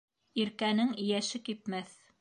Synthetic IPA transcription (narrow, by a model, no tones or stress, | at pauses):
iɾkænɘŋɘ̆jæʃɘkipmæθ